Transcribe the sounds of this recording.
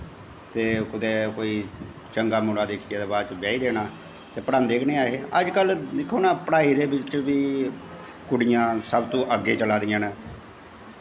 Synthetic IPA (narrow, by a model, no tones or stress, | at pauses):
t̪eːkʊd̪eːkoːiː | t͡ʃəŋɡaːmoːɽaːd̪eːkʰijaːd̪eːbaːd̪t͡ʃbɛːiːd̪eːnaː | t̪eːpəɽaːnd̪eːkʰneːaːɦeːəd͡ʒkəld̪ɪkʰːoːnaːpəɽaːiːd̪eːbɪt͡ʃʋiː | kʊɽɪjãːsəbt̪õːʔəɡeːt͡ʃəlaːd̪ɪjãːneː